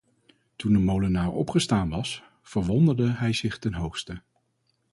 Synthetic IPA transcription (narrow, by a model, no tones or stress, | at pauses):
tundəmowlənaːɹɔ̰pχəstaːnʋɑs | fəɹʋɔndəɹdəɦɛjzɪχtɛnɦowχstə